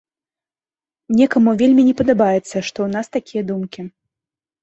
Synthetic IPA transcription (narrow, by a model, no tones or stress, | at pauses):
nʲɛkɐmuvʲelʲmʲinʲɛpɐd̪abajɛt̪sːɐʂt̪ɔwnast̪akʲijɐd̪umkʲi